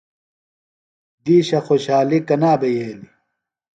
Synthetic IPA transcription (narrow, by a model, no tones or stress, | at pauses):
d̪iːɕɐxoɕaːlikɐnaːbejeːli